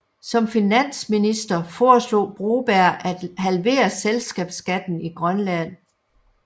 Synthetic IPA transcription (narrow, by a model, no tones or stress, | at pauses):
sɒ̽mfinæn̰sminisd̥ɐfɒːslo̝̰ːb̥ʁo̝ːb̥æɐ̰ʔæd̥hælʋe̝̰ːɐselsɡ̥ɛːb̥sɡ̥æd̥n̩iɡ̥ʁɶnlæn̰